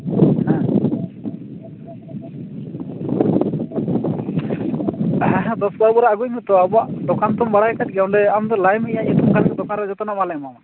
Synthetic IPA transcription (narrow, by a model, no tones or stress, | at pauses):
hã | d̪ɔsbaɾbɔɾaaɡujmɛt̪ɔabɔaʔd̪ɔkant̪ɔmbaɽajkat̚ɡɛwɳɖɛamd̪ɔlajmɛjaijɛt̪ɔmkʰankɛd̪ɔkanɾɛd͡ʒɔt̪ɔnamalɛjmama